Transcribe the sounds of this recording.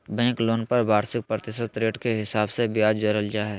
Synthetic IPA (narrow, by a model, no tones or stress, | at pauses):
bɛ̃ːkloːnpɐɾbʱaːɾsɪk̚pɾət̪ɪʃət̪ɾeːʈkeɦɪsaːbsebjaːd͡ʒd͡ʒəɾəld͡ʒaːɦɛː